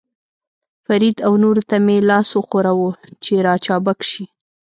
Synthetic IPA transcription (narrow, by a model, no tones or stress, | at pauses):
faɾid̪awnoɾt̪amelɑsoxoɾawot͡ʃeɾɑt͡ʃɑbakʃi